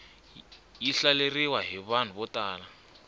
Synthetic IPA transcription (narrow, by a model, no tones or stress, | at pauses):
jiɬaleriwaɦiβan̤uβɔtaːla